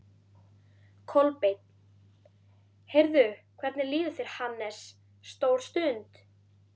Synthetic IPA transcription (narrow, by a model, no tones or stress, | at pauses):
kʰɔlpejt̪ | hejɾðʏkʰvɛɾt̪nɪliːðʏfɪɾ̥hanːɛsː | t̪owl̥st̪ʏnt̪